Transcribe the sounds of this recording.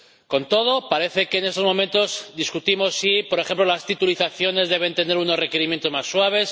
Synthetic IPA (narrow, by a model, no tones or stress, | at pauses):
ko̞nt̪o̞ð̞o̞paɾe̞θe̞ke̞ːne̞st̪ozmo̞mẽ̞nt̪o̞zd̪iskut̪imo̞sːipo̞ɾexe̞mplolast̪it̪uliθaθjo̞ne̞zðe̞βe̞nt̪e̞ne̞ɾuno̞zre̞ke̞ɾimjent̪o̞zmasːwaβ̞e̞s